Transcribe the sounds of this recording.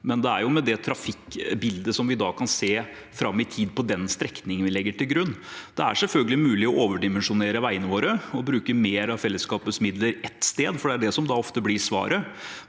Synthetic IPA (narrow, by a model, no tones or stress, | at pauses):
mɛnd̪ɛæɾjʊmɛd̪ɛt̪ʰɾɑfɪkbɪld̪əsɔmʋɪd̪ɑːkʰɑnseː | fɾɑmːɪt̪ʰiːd̪pɔd̪ɛnst̪ɾɛknnɪŋənʋɪlɛɡːəʈɪlɡɾʉnːd̪̥ɛæ̰ʂɛlfœlɡəlɪmʉːlɪɔʔoːʋəɖɪmɛnʂʊneːɾəʋæɪənəʋoːɾəɔbɾʉːkəmeːɾɑʋfɛlːəskɑːpət̪smɪd̪ləɾɛt̪ːst̪eːd̪fɔɖɛæɖɛsɔmd̪ɑɔft̪əblɪsʋɑ̰ːɾə